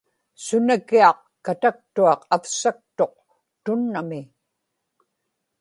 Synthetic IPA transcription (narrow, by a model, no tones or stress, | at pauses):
sʊnakiɑq | kat̪ak̚t̪uɑqafsak̚t̪o̞q̚ | t̪ʊnːamɪ